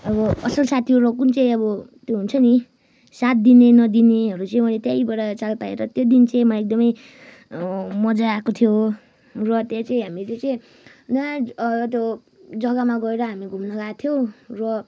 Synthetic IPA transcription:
ʌbʌʌsʌlsat̪ʰiorʌkunt͡saĩʌbʌt̪joɦunt͡sʰʌni | sat̪̚d̪inenʌd̪ineɦʌɾut͡saĩmʌlet̪jajbʌɽat͡salpaḛɾʌt̪jod̪int͡saĩmaek̚d̪ʌmʌj | mʌd͡zaːkot̪ʰijo | rʌt̪jat͡saĩɦamilet͡saĩ | naʌt̪jo | d͡zʌɡamaɡʌeɾʌɦamiɡʱumnʌɡat̪ʰjowrʌ

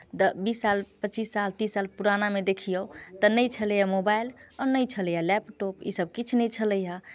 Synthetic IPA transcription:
t̪əbisːalpət͡ʃisːalt̪ĩsalpuɾanamed̪ekʰijət̪ənəjt͡ʃʰələjamobajlɔnəjt͡ʃʰələjalɛpʈɔpḭsəb̚kit͡ʃʰnəjt͡ʃʰələja

